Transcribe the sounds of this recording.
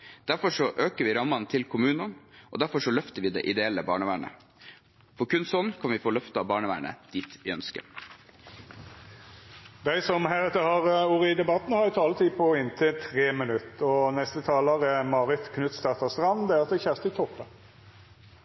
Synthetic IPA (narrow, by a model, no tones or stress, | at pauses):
d̪̥æɾfɔʂɔʔøːkəʋɪːɾɑmɑnt̪ʰɪlkʰʊmʉːnɑnʔɔ̰d̪æɾfɔʂɔlœft̪əɾʋɪːd̪ɛʔɪd̪ɛɛləbɑ̰ːɳəʋæːɳə̰ | fɔɾkʉnsɔnːkʰɑnʋɪfoːlœft̪əɑːʋbɑːɳəʋæ̰ːɳə̰d̪̥iːt̪ɪœnskə̰ | d̪æɪsɔmhæɾɛt̪əhɑʁuːɾəɪd̪ɛbɑt̪nhɑɾɪt̪ʰɑːlət̪ʰiːpʰɔɪnt̪ʰɪlt̪ʰʁeːmənʉt̪ɔnɛst̪ət̪ʰɑːləʁəmɑːʁɪt̪kʰnʉt̪st̪ɑt̪ɑst̪ʁɑnd̪ɛæʁɑt̪̚d̪ɛçæʁst̪ɪt̪ʰɔpːə